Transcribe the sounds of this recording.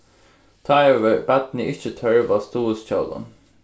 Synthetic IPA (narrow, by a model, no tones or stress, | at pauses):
t̪ʰɑɪøʋəb̥æt̪nəʔɪçət̪ʰœɹʋɑːst̪uːəsc͡çɑːd̪ɑ̰n